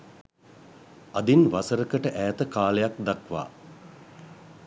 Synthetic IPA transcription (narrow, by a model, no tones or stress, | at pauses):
ad̪inʋasəɾəkəʈəʔæːt̪əkaːlejak̚d̪akʋa̰ː